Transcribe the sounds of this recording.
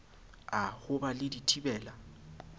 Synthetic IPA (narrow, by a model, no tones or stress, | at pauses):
ahʊbalɪditʰibɛːla